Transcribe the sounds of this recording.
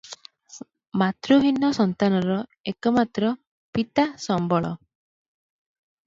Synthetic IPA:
mat̪ɾuɦinːɔsɔnt̪anɔɾɔekɔmat̪ɾɔ | pit̪asɔmbɔɭɔ

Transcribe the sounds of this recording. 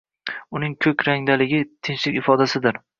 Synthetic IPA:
ʊnɪŋkʲʰɵkʲɾaŋd̪alɪɡʲɪt̪ʰɪnʃlɪkʲɪfɒd̪asɪd̪ɪɾ

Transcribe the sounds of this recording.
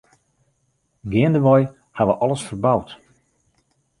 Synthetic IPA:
ɡɪəndəʋɔj | haʋəʔɔləsfərbawt

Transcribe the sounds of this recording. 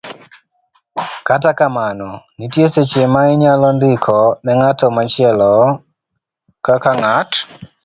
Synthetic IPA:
katakamanɔnitjeset͡ʃemaiɲalɔnd̪ɪkʰɔnɛŋatɔmat͡ʃɪɛlɔ | kakaŋat

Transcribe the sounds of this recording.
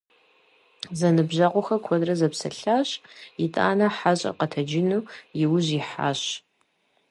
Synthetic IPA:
zɐnɨbʑaːqʷɔxɐkʷʰɔdrɐzɐpsɐ̰ɬaːɕjɪtʼa̰ːnɐħaɕʼɐ̰qɐtʰɐd͡ʒɪnuːjɪwʊʑiħa̰ːɕ

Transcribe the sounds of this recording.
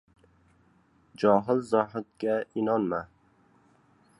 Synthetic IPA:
d͡ʒɒɦɪlzɒɦɪd̪̚ɡʲaɪnɒnma

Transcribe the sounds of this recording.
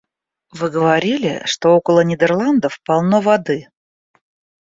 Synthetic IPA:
vɨɡəvɐɾʲilʲɪ̰ʂt̪o̞okəlˠənʲɪd̪ʲərlˠand̪əfpɐlˠnovɐd̪ɨ

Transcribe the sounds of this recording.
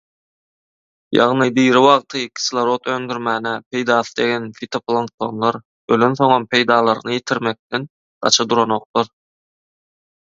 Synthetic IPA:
jɑ̰ʁnɯd̪iːɾiwɑʁt̪ʰɯkʰʲi̥slˠɑɾo̞t̪ʰøːnd̪yɾmæːnæpʰe̞jd̪ɑːθɯd̪e̞ɡʲenfit̪ʰoplˠoŋk̚t̪ʰo̞nlˠɑɾ | ølønθo̞ŋonpʰe̞jd̪ɑːlˠɑɾnɯjet̪ʰiɾmek̚t̪en | ɢ̥ɑ̰t͡ʃʰɑd̪uɾono̞q̚t̪ˠoɾ

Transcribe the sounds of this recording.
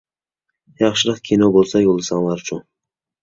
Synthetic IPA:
jɑχʃɪɾɑqkʲʰinobolˠsɑjolˠɨsɑŋlˠɑɾt͡ʃʰu

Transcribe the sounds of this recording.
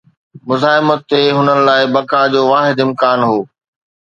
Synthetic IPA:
mʊzaːɦɪmət̪ːeɦʊnənɪ̆laːɪbɐkad͡ʑoːʋaːɦɪd̪ɪmkaːnɦoː

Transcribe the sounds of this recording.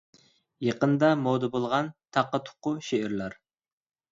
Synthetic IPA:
jeqənd̪ɑmowd̪əbolˠʁɑnt̪ʰɑqːɑt̪ʰʊ̥qːʊʃeɪɾlæɾ

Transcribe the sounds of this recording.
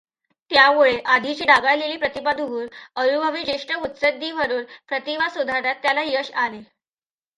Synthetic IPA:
t̪jamuɭeʔad̪ʱit͡ɕiːɖaɡaɭleliːpɾət̪ipad̪ʱuɦuːɾəɾubʱəʋiːd͡ʑeʂʈəut̪səd̪ːiːʋəɾuːɾpɾət̪iʋasud̪ʱaɾat̪ːjalajəɕale

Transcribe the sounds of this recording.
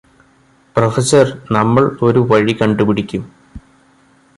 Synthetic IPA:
profɐsɐrnɐmːɐɭo̞ɾuʋɐɻikɐɳɖupiɽikʲːum

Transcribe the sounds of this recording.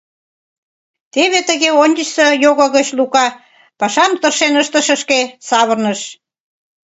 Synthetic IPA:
t̪eβet̪əɣeonʲd̪ʲəɕsejoɣŏɣət͡ɕlukɑ | pɑʃɑmt̪ərʃenəʃt̪ə̆ʃə̆ʃkesɑβərnəʃ

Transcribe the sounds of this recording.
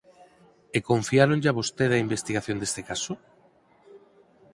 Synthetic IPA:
ekoɱfiaɾonʎaβost̪eðɐimbest̪iɣaθjond̪est̪ekaso

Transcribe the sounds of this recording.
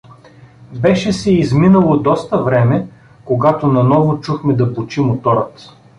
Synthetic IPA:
bɛʃɛsɛizminəlˠod̪ɔst̪ɐvɾɛmɛ | koɡat̪onɐnɔvot͡ʃuxmɛd̪ɐpot͡ʃimot̪ɔɾət̪

